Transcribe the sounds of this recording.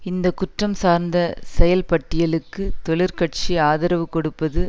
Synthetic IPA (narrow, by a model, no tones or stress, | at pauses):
ɪnd̪ɐkʊʈrɐmsaːɾnd̪ɐsɛjɐlpɐʈːɪjɐlɯkːɯt̪ɔɭɪɾkɐʈ̚t͡ʃiaːðɐɾɐʋɯkɔɽɯpːɐðɯ